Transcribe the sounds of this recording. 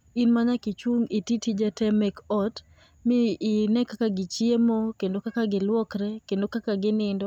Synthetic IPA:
inmaɲakit͡ʃuŋititid͡ʒatɛmɛkɔt | mɪːnɛkakaɡɪt͡ʃjemokendokakaɡɪlwɔkɾɛkendokakaɡɪnɪndɔ

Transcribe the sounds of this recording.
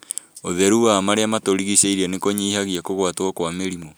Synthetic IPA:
oðɛɾuamaɾeamatoɾiɣiseiɾɛnekoɲiːhaɣiakoɣwatwɔkwameɾimɔ

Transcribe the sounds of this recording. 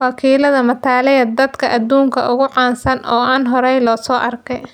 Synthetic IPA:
wɐkʰiːlɐðɐmɐt̪ʰaːlɛjɐd̪ɐd̪kʰɐʔɐd̪uːŋkʰɐ̰ʔʊɣʊʕɑːnsɐnʔɔːaːnɦɔɾɛjlɔːsɔːʔɐrkʰɛj

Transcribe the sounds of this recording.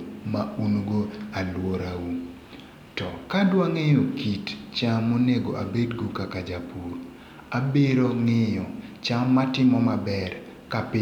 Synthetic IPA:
maunɡoalwoɾawu | tɔkadwaŋejokitt͡ʃamːoneɡoʔa̰bedɡokakad͡ʒapuɾ | abeɾoŋɪjɔt͡ʃamːatɪmɔmabɛr | kapɪ

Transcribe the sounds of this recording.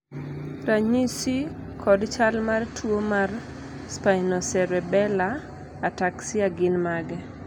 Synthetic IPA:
raɲisikʰɔdt͡ʃalmartʰwomar | spajnɔsɛɾɛbɛlaː | taksɪaɡɪnmaɡɛ

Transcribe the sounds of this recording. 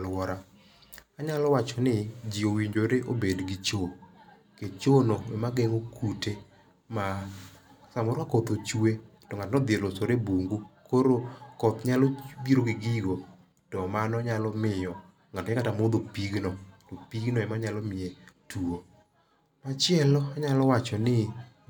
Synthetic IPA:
lwɔɾa | aɲalɔwat͡ʃɔnɪd͡ʒiowiɲd͡ʒoɾeʔobedɡɪt͡ʃo | ket͡ʃonoɛmaɡɛŋokʰute | ma | samɔɾkakɔt̪ot͡ʃuetɔŋatnɔd̪ɪeɾlosoɾebuŋɡukoɾokɔt̪ɲalɔbiɾoɡɪɡɪɡo | tɔmanɔɲalɔmɪjɔ | ŋatɛkatamod̪opiɡnɔtɔpiɡnɔɛmaɲalɔmɪetʰuo | mat͡ʃɪɛlɔaɲalɔwat͡ʃɔnɪ

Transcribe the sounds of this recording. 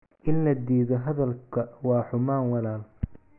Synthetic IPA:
ʔɪnlɐd̪iːðɔɦɐðɐlkʰɐwɑːħʊmaːŋwɑlaːl

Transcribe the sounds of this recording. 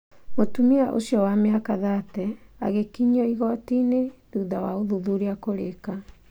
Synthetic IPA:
motumiaʔo̰ɕjɔwameakaðatɛa̰ɣekiɲɔiɣɔtineduðawaoðuðuɾeakoɾeka

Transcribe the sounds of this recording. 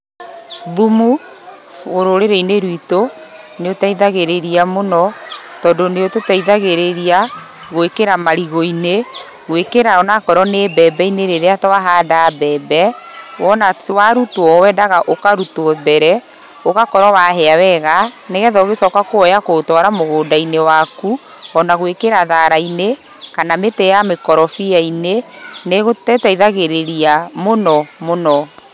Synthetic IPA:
ðumu | foɾoɾeɾeineɾwito | neotaiðaɣeɾeɾiamonɔtɔdoneototaiðaɣeɾeɾia | ɣoekeɾamaɾiɣoine | ɣwekeɾaɔnakɔɾɔnebɛbɛineɾeɾeatwaɦadabɛbɛwɔnawaɾutwɔwɛdaɣaʔokaɾutɔðɛɾɛ | oɣakɔɾɔwaɦɛawɛɣaneɣɛðɔɣesɔːkakoɔjakotwɔɾamoɣoːdainewaku | ɔnaɣwekeɾaðaɾaine | kanametɛjamekɔɾɔfiaineneɣotɛtaiðaɣeɾeɾiamonɔmonɔ

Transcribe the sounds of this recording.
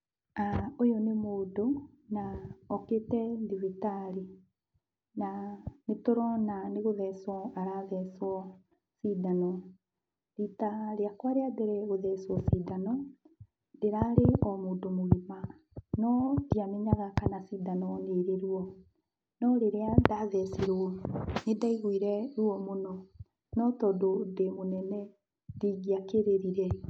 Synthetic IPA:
aojɔnemoːdo | naɔketɛdiβitaɾi | nanetoɾɔnaneɣoðɛsɔaɾaðɛswɔ | sidanɔ | ditaɾeakwaɾeadeɾɛɣoðɛswɔsidanɔ | ndeɾaɾeʔɔmoːndomoɣima | nɔdiameɲaɣakanasiːdanɔneɾeɾuɔ | nɔɾeɾeadaðɛseɾonedaiɣwiɾɛɾuɔmonɔ | nɔtɔːdodemonɛnɛ | diːɣiakeɾeɾiɾɛ

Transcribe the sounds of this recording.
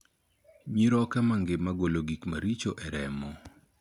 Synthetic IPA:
ɲiɾɔkamaŋɡɪmaɡoloɡikmaɾit͡ʃoʔɛɾɛmɔ

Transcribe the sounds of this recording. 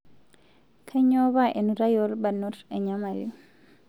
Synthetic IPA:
kʰaɲɔβaʔɛnuɾajɔɾbanːɔɾɛɲamalḭ

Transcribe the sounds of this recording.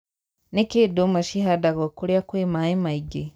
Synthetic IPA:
nekedomaʃiɦadaɣokuljakwemaimaiɡe

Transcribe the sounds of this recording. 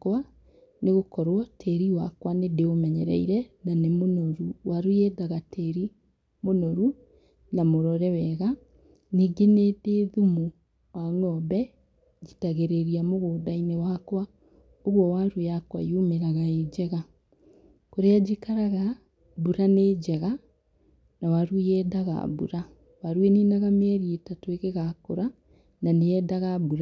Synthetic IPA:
kwa | neɣokɔɾwɔtʰɛɾiwakwanedeomɛɲɛɾɛ̰iɾɛnanemonoɾuwʔaɾujedaɣatʰɛɾi | monɔɾu | namoɾɔɾɛwɛɣa | niːɡenedeðumu | waŋɔbɛ | d͡ʑitaɣeɾeɾiamoɣoːdainewakwa | oɣwɔwaɾujakwa̰jomeɾaɣaed͡ʑɛɣa | koɾead͡ʒikaɾaɣa | buɾaned͡ʑɛɣa | nawaɾuɛdaɣa̰bṵɾa | waɾueninaɣamɛɾietatoeɣeɣakoɾa | naneɛdaɣabuɾa

